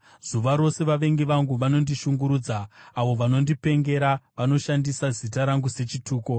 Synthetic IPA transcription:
z̥uʋaɾo̞se̞ʋaʋe̞ŋɡiʋaŋɡuʋano̞ndiʃuŋɡuɾuːd͡zaːʋo̞ʋano̞ndipe̞ŋɡe̞ɾaʋano̞ʃandisazitaɾaŋɡuse̞t͡ʃituːko̞

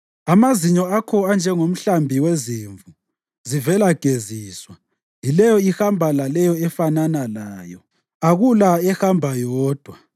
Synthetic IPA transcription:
amaziɲɔakʰɔand͡ʒʱɛŋom̩ɬambʱiweziːɱvu | zivɛlaɡ̥ʱeziːswa | jilɛjɔihambʱalalɛjɔɛfananalaːjɔ | aɣulaɛhambʱajɔːd̥ʱwa

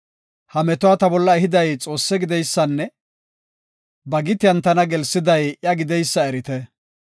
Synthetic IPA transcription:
hɐmɛt̪ʊwat̪ɐbɔlːɐɛɦɪd̪ɐjt͡sʼo̞ːsːɛɡɪd̪ɛjsːɐnːɛ | bɐɡɪt̪ɪjɐnt̪ɐnɐɡɛlsːɪd̪ɐjʔjɐɡɪd̪ɛjsːɐɛɾɪt̪ɛ

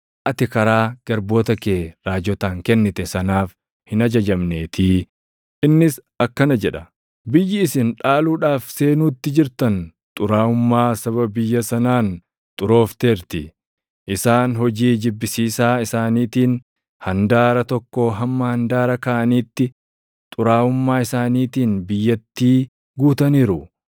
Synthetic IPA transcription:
ʔɐt̪ɪkɐɾaːɡ̥ɐɾbo̞ːt̪ɐkeːɾaːd͡ʒɔt̪aːŋkɛnːɪt̪ɛsɐnaːf | hɪnɐd͡ʒɐd͡ʒɐmne̞ːt̪ʰiː | ʔɪnːɪs | ɐkːɐnɐd͡ʒɛᶑɐ | bɪjːɪːsɪnᶑaːluːᶑaːfse̞ːnuːt̪ːɪd͡ʒɪɾt̪ɐn | t̪ʼʊɾaːʊmːaːsɐβɐbɪjːɐsɐnaːn | t̪ʼʊɾo̞ːft̪e̞ːɾt̪ɪ | ʔɪsaːnɦɔd͡ʒiːd͡ʒɪbːɪsiːsaːɪsaːniːt̪iːn | hɐnd̪aːɾɐt̪ɔkːoːɦɐmːɐhɐnd̪aːɾɐkɐʔɐniːt̪ːɪ | t̪ʼʊɾaːʊmːaːɪsaːniːt̪iːnbɪjːɐt̪ːiː | ɡuːt̪ɐniːɾʊ

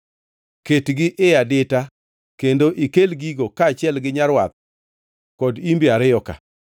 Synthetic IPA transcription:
ketɡɪʔɪadɪta | kendoʔikelɡiɡokaːt͡ʃɛlɡɪɲaɾwa̰t̪̚ | kɔdimbjaɾɪjɔka̰

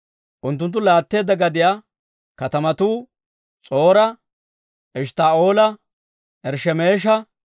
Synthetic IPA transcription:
ʔʊnt̪ːʊnt̪̬ːʊlaːt̪ːe̞ːd̪ːɐɡɐd̪ɪja | kɐt̪ɐmɐt̪uː | t͡sʼo̞ːɾɐ | ʔɪʃt̪aːo̞ːlɐ | ʔɛɾʃɛmeːʃ̬ɐ

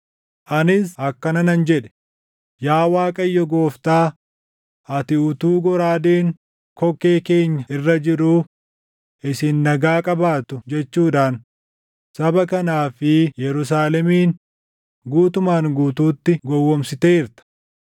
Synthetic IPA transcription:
ʔɐnɪsɐkːɐnɐnɐnd͡ʒɛᶑɛ̥ | jaːwaːkʼɐjːɔɡo̞ːft̪aː | ʔɐt̪ɪʊt̪uːɡɔɾaːd̪eːŋ | kɔkːe̞ːkeːɲːɐɪrːɐd͡ʒɪɾuː | ʔɪsɪnːɐɡaːkʼɐbaːt̪ʊd͡ʒɛt͡ʃːuːᶑaːn | sɐbɐkɐnaːfɪjɛɾʊs̬aːlɛmiːn | ɡuːt̪ʊmaːŋɡuːt̪uːt̪ːɪɡɔwːɔmsɪt̪eːɪɾt̪ɐ̥

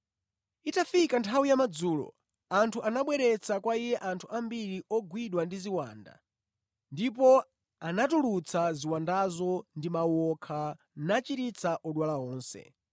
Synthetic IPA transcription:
itafikantʰawijamad͡zuːlɔ̰ | antʰuʔanaɓwɛɾɛt͡sakwaijɛʔantʰuambiɾiɔɡwiɗwandiziwa̰ːnda̰ | ndip̬ɔ | anatulut͡sʰaziwandazɔndimawɔkʰa | nat͡ʃiɾit͡sʰaʔɔɗwalaɔːnsɛ̰

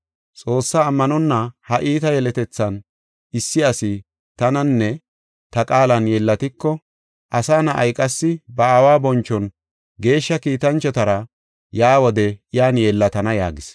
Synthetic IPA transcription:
t͡sʼo̞ːsːaːmːɐnɔnːɐhɐʔiːt̪ɐjɛlɛt̪ɛt͡sːɐn | ɪsːɪɐsɪ | t̪ɐnɐnːɛ | t̪ɐkʼaːlɐnjɛlːɐt̪ɪkːɔ | ʔɐsaːnɐʔɐ̰jkʼɐsːɪbɐawaːbɔnt͡ʃːɔn | ɡe̞ːʃːɐkiːt̪ɐnt͡ʃːɔt̪ɐɾɐ | jaːwɔd̪ɛjaːnjɛlːɐt̪ɐnɐja̰ːɡɪs

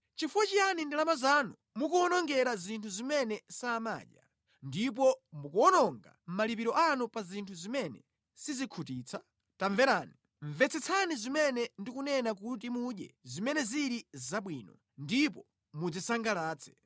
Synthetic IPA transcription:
t͡ʃifuwat͡ʃijanindilamazanu | mukuɔnɔŋɡɛɾazintʰuzimɛnɛsaːma̰ːɗja̰ | ndip̬ɔmukuɔnɔŋɡa̰m̩malipiɾɔʔanupazintʰuzimɛnɛ̰ | sizikʰutiːt͡sʰa | taɱvɛɾaːni | ɱvɛt͡sʰɛt͡sʰanizimɛnɛndikunɛnak̬ut̬imuɗjɛ̰zimɛnɛziɾizaɓwiːnɔ | ndip̬ɔ | mud͡zisaŋɡalaːt͡sʰɛ̥

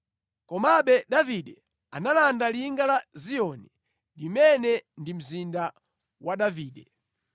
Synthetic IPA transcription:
kɔmaɓɛɗaviɗɛ | analandaliŋɡalazijɔni | limɛnɛndim̩zinda | waɗaviːɗɛ

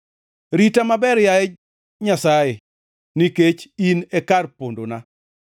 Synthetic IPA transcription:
ɾitamabɛɾjaɛ | ɲasaje | niket͡ʃinɛkarpondona

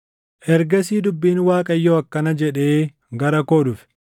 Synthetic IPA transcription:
ʔɛɾɡɐsiːd̪ʊbːiːnwaːkʼɐjːoɐkːɐnɐd͡ʒɛᶑeː | ɡɐɾɐkoːd̪ʊfɛ̥

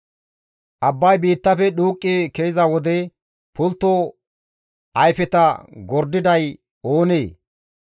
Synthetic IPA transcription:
ʔɐbːɐjbiːt̪ːɐfɛɗuːkʼːɪkejɪzɐwɔd̪ɛ | pʰʊlt̪ːo | ʔɐjfɛt̪ɐɡɔɾd̪ɪd̪ɐj | o̞ːneː

